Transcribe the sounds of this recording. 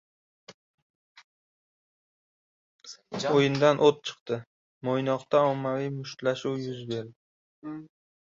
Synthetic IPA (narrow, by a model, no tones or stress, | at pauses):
ojɪnd̪anʔot̪̚t͡ʃʰɨ̥qt̪ɪ | mojnɒqt̪aɒmːavijmʊʃt̪laʃuwjʊzbe̞ɾd̪ɪ